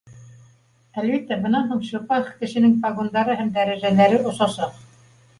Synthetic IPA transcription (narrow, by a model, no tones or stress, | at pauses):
ælβit̪ːæbɤ̆nɑnɦuɴʃŏpɑχkɘ̆ʃɘ̆nɘŋpɑɡond̪ɑɾɤɦæmd̪æɾæʒælæɾɘʔŏsɑsɑq